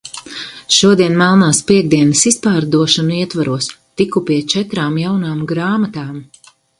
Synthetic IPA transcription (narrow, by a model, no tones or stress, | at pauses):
ʃuɔd̪iɛnmalˠnaːspiɛɡ̚d̪iɛnɐsispaːɾd̪uɔʃanuiɛt̪vaɾʔuɔst̪ikupiɛt͡ʃɛt̪ɾaːmjawnaːmɡɾaːmat̪aːm